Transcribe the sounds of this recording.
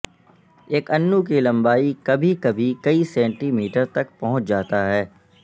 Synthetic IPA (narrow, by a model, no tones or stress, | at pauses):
eːkɐnːuk̬ilɐ̃mbaːikɐbʱikɐbʱikɐisɛ̃ːɳʈimiːʈəɾt̪ɐkpɐɦʊ̃t͡ʃd͡ʒaːt̪aɦɛː